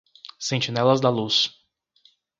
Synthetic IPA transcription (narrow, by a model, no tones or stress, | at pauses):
sẽnt͡ʃinɛlɐzd̪ɐlus